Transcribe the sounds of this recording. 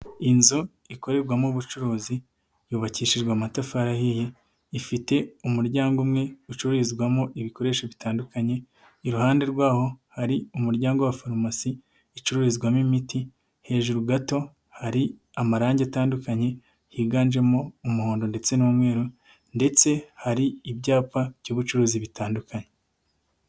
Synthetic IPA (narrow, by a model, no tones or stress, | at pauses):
inzu | iko̞ɾe̞ɾɡwamuβut͡ʃuɾuːzi | juːβaciːʃiʒɡwamatafaɾahije | ifite̞umuɾɟaːŋɡumŋe̞ut͡ʃuɾuɾizɡwamoʔiβiko̞ɾe̞ːʃoβitaːndukaɲe̞ | iɾuhaːnde̞ɾɡwaːho̞haɾiumuɾɟaːŋɡowafaɾmasiː | t͡ʃuɾuɾizɡwamimiti | he̞ːʒuɾuɡato̞ | haɾi | amaɾaːɲɟeataːndukaɲe̞ | hiːɡaːnd͡ʒe̞mo̞umuhoːndo̞nde̞t͡se̞nuumŋe̞ːɾu | nde̞t͡se̞haɾiibɟaːpajoβut͡ʃuɾuːziβitaːndukaɲe